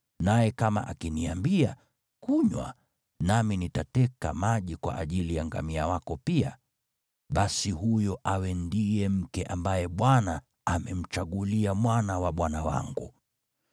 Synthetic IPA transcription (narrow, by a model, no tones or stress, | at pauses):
najɛkama̰ʔakiniambia | kuɲwa̰ | naminitatɛka̰maʄikwa̰ʔːʄilijaŋɡa̰miawakɔpia̰ | ɓasihujɔʔawɛndijɛm̩kɛʔambajɛɓwanaː | mɛm̩t͡ʃaɠuliamwanawaɓwanawa̰ŋɡṵ